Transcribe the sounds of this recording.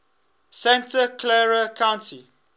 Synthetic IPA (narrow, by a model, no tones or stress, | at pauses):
sɛ̃ntəkʰlɛɹəkʰãʊ̃nti